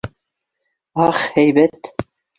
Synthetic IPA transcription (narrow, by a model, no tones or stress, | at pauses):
ɑχhæjbæt̪